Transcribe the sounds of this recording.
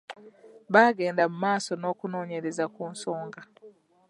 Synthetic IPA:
βaːɡe̞ːndamumaːsono̞ːkuno̞ːɲe̞ɾezakuːnsoːŋɡa

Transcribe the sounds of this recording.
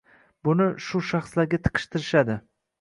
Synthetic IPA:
bʊnɪʃʊʃaχslaɾɡʲat̪ʰɨ̥qʰɨ̥ʃt̪ʰɪɾɪʃad̪ɪ

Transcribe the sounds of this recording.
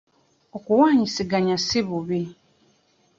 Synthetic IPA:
ɔkʊwãɲĩsɪɡaɲãsɪbɔbe

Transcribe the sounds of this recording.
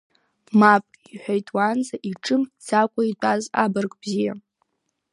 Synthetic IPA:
mapʼ | iħʷᶣajtʼwanzaʔiʈ͡ʂʼɨmd͡zakʷʼaitʷʼazabɨrkʼbzija

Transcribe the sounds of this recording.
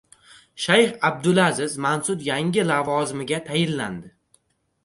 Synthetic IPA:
ʃajχab̚d̪ʊlazɪzmansʊt̪jaŋʲɪlavɒzɪmɪɡʲat̪ʰajɪlːa̰nd̪ɪ

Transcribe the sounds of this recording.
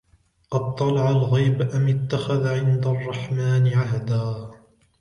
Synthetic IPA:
qɑd̪̚t̪ˤːɑlɑʕalɣajbʔamɪt̪ːaxaðʕɪnd̪arˤːɑħmaːnɪʕaɦd̪aː

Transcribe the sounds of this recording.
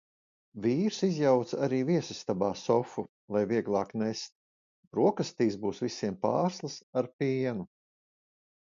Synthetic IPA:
viːɾsizjawt̪saɾiːviɛsist̪abaːsɔfu | lˠajviɛɡlˠɑːknest̪̚ | ɾuɔkast̪iːsbuːsvisiɛmpa̰ːɾslˠasaɾpʲiɛnu

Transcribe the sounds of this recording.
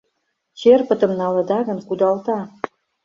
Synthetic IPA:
t͡ɕerpə̆t̪ə̆mnɑlɤ̆d̪ɑɣə̆nkud̪ɑlt̪ɑ

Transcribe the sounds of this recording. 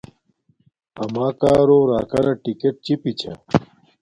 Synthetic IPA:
ɐmaːkaːɾoːɾaːkɐɾɐʈikeʈ̚t͡ɕipit͡ɕʰɐ̰

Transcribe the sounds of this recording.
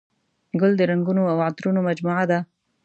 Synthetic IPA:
ɡʊld̪əɾaŋɡunoawat̪ɾunomad͡ʒmuʕad̪a

